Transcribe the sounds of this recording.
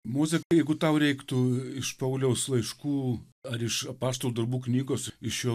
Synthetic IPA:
moːzʲɛkɐjɛɪɡʊt̪ɐʊɾʲɛɪkt̪ʊɪʃpɐʊlʲɛʊslˠɐɪʃkuː | ɐɾɪʃɐpɑːst̪oːlˠud̪ɐɾbuːknʲiːɡoːsɪʃjoː

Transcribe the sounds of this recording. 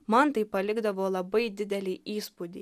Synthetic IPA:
mɐnt̪ɐɪpːɐlʲɪɡd̪ɐʋoːlˠɐbɐɪd̪ʲɪd̪ʲɛlʲiːʔiːspud̪ʲḭː

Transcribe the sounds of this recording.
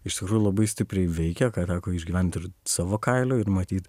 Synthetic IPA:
ɪʃt̪ʲɪkɾuːjulˠɐbɐɪsʲt̪ʲɪpʲɾʲɛɪʋʲɛɪkʲɛkɑːt̪ɑːkoːɪʒʲɡʲiʋʲɛnʲt̪ʲɪɾsɑːʋoːkɐɪlʲoːɪɾmɐt̪ʲiːt̪

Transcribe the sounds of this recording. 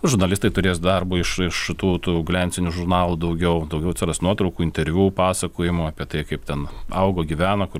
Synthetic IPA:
ʒʊɾnɐlʲɪst̪ɐɪt̪ʊɾʲeːsd̪ɐrboːɪʃɪʃʃʲɪt̪uːt̪uːɡlʲɛnʲsʲɪnʲuʒʊrnɑːlˠuːd̪ɐʊɡʲɛʊd̪ɐʊɡʲɛʊt͡sʲɛɾɐsnuɔt̪ɾɐʊkuːɪnʲt̪ʲɛɾʲʋʲuːpɑːsɐkoːjɪmoːɑːpʲiɛt̪ɐɪkɐɪpt̪ʲɛnɐʊɡoːɡʲiʋʲæːnɐkʊ

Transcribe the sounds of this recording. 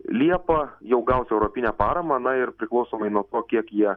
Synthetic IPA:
lʲiɛpɐjɛʊɡɐʊsɛʊɾoːpʲɪnʲæːpɑːɾɐmɐːnɐɪɾpʲɾʲɪklˠɒʊsoːmɐɪnuɔt̪oːkʲiɛkjiɛ

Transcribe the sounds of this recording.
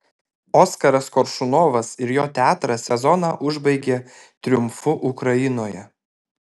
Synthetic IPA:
ɔːskɐɾɐskɔɾʃʊnoːʋɐsɪɾjoːt̪ʲæːt̪ɾɐsʲɛzɔnɑːʔʊʒbɐɪɡʲeː | t̪ʲɾʲʊmfʊʔʊkɾɐɪnoːjɛ

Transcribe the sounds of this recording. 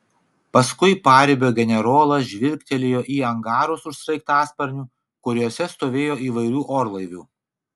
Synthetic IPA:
pɐskʊɪpɑːɾʲɪbʲoːɡʲɛnʲɛɾoːlˠɐʒʲʋʲɪɾʲkʲt̪ʲɛlʲejoːʔiːɐŋɡɑːɾoːsʊʃsʲɾɐɪk̚t̪ɑːspɐɾʲnʲuː | kʊɾʲuɔsʲɛst̪oːʋʲeːjoːiːʋɐɪɾʲuːʔoːɾlˠɐɪʋʲuː

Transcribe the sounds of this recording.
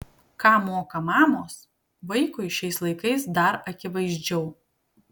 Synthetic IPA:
kɑːmoːkɐmɑːmoːs | ʋɐɪkʊɪʃʲɛɪslˠɐɪkɐɪsd̪ɐɾɐkʲɪʋɐɪzʲd͡ʒʲɛʊ

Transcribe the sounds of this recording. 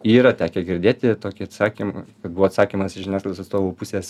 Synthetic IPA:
iːɾɐt̪ʲæːkʲɛɡʲɪɾʲd̪ʲeːt̪ʲɪt̪oːkʲɪɐt̪sɑːkʲimkɐt̪buʋoːt̪sɑːkʲimɐsɪʒʲɛɪnʲæːsklˠʲʋʲosɐt̪st̪oːʋuːpʊsʲeːs

